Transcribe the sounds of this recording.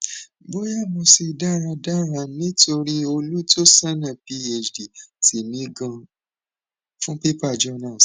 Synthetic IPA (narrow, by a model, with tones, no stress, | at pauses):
bo˦ja˦˨mɔ̃˨˧si˧da˦˨ɾa˧da˦˨ɾa˧nĩ˦to˧ɾi˦o˧lu˦to˦sa˦nã˦˨pi˦e˧˨d͡ʒdi˨ti˨nĩ˨˦ɡã˧ | fũ˦pe˦pa˦˨d͡ʒɔ˦nã˦˨s